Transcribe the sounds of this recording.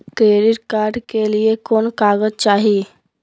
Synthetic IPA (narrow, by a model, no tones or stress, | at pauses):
kɾeːɾɪʈkaːɾɖkeliekoːnkaːɡəd͡ʒt͡ʃaːɦi